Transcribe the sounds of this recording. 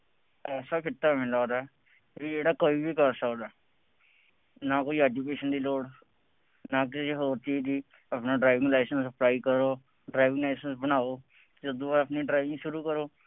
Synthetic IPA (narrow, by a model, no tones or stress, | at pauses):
ɛːsaːkʰɪt̪ːaːmɪ̃laːd̪aː | ʋiːd͡ʒeːɽaːkoːiːbiːkəɾsəkd̪aː | naːkoːiːɛːd͡ʒukeːʃənd̪iːloːɽ | naːkɪsiɦoːɾt̪iːd̪iː | əpnaːɖɾaːʋɪ̃ŋɡlɛːsə̃nsəplaːiːkəɾoː | ɖɾaːɪʋɪ̃ŋlɛːsənsbənaːoː | d͡ʒəd̪õːʋaɾəpniːɖɾaːɪʋɪ̃ŋɡʃʊɾuːkəɾoː